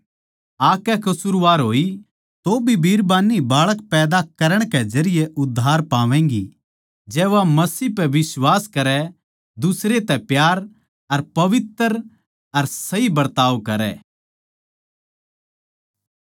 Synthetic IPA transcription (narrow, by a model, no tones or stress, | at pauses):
aːkɛkɐsuɾʋaːɾɦoːi | t̪obʱibʱiːɾbaːnːibaːɭəkpɛːd̪akɐɾəɽ̃kɛd͡ʒɐɾɪjeʔʊd̪ʱːaːɾpaːʋɛ̃ːŋɡi | d͡ʒɛːʋamɐsiːpɛʋɪswaːskɐɾɛ | d̪ʊsɾet̪ɛpjaːɾ | ɐɾpɐʋɪt̪əɾ | ɐɾsɐibɐɾt̪aːʋkɐɾɛ̰ː